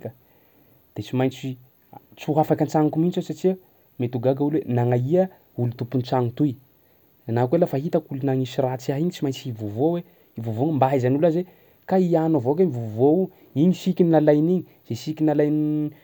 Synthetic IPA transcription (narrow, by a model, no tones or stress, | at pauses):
kə | d̪̥et͡simajnt͡si | t͡suɦafakant͡saŋkumint͡ʃesat͡ʃiə | met̪uɡaɡaulwenaŋaiə | ulut̪upunt͡saŋut̪uj | anakwelafaɦit̪akulunaŋisirat͡siaɦiɲit͡ʃimajɲnt͡sivovowe | ivovoŋmbaɦizanulaze | kaianavok̬eɲivovou | iɲisikʲininalajniɲi | z̥esikʲinalajni